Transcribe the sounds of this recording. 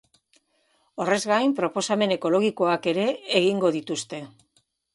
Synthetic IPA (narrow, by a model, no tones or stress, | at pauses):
o̞re̞zɣajmpɾo̞po̞same̞ne̞ko̞lo̞ɣ̞iko̞ake̞ɾe̞ːɣiŋɡo̞ðit̪ust̪e̞